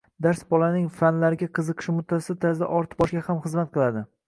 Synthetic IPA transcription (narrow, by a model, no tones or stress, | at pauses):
d̪aɾsbɒlanɪŋfanlaɾɪɡʲaqʰɨzɨqʰɨ̥ʃmʊt̪ʰːasɪt̪ʰazd̪a̰ʔɒɾt̪ɨ̥bɒʃkʲahamχɨzmat̪̚qʰɨlˠad̪ɪ